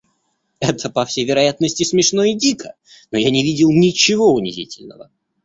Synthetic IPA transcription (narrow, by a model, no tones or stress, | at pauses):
ɛt̪ʰəpɐfsʲejvʲɪɾɐjat̪nəsʲtʲɪsmʲɪʂno̞ɪdʲikʰə | nojanʲɪvʲidʲɪlˠnʲɪt͡ɕɪvo̞ʊnʲɪ̰zʲḭtʲɪlʲnə̰və̰